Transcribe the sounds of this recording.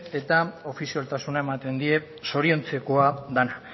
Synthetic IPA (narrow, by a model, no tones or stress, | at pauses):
e̞t̪ao̞fisialt̪asunae̞mat̪e̞nd̪ie̞ | so̞ɾio̞nt͡se̞ko̞ad̪ana